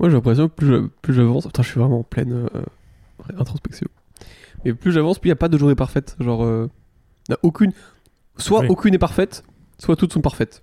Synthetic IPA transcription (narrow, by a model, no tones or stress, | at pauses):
mwaʒelɛ̃pχes̬jɔ̃plyʒə̰plyʒavɑ̃sɑ̃t̪ɛ̃ʒəsɥivʁɛmɑ̃ɑ̃plɛ̰nø̰ | ʁɛɛ̃t̪χɔ̃spɛksjɔ̰̃ | mɛplyʒavɑ̃splyjapad̪əʒuʁepaʁfɛt̪ʒɑ̃ʁø | naʔokʲyn | swaokʲynɛpaʁfɛt̪ | swat̪ut̪sɔ̃paʁfɛt̪